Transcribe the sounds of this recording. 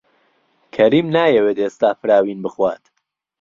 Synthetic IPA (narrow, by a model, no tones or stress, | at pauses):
kʰɐɾiːmnaːjɛweːt̪eːst̪aːfɨɾaːwiːnbɨxwaːt̪